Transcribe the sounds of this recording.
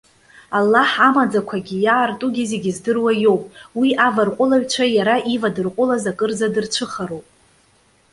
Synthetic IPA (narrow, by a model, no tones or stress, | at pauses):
alːaħamad͡zakʷʰaɡʲijaːrtʼuɡʲazeɡʲɪzdɨrwajo̞wpʼwiʔavarqʷʼʊlaɥᶣt͡ʃʷʰajaɾaʔivadɨrqʷʼʊlazakʼɨrd͡zadɨrt͡ʃʷʰɨχaɾowpʼ